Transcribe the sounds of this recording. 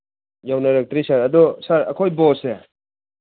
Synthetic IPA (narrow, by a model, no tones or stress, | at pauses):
jawnaɾak̚tɾisaɾɐd̪ɔsaɾɐ̰kʰojbɔse